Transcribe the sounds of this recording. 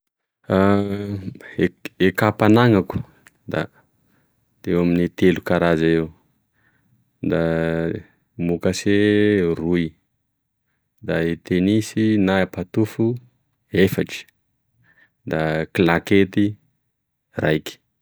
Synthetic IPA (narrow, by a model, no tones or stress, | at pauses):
a | eekapanaŋaku̥ | d̪a̰ | d̪̥ewaminit̪elukaɾazaew | d̪a | mukaseruj | d̪aet̪enisinaapat̪ufu | efaʈ͡ʂi̥ | d̪aklaket̪i | ra̰jki̥